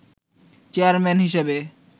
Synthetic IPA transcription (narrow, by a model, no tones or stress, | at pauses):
t͡ɕeaɾmɛnɦiʃebe